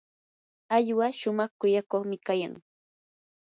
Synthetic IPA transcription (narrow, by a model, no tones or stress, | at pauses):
aʎwaʃʊmɑχkʊjakoχmɪkaja̰ŋ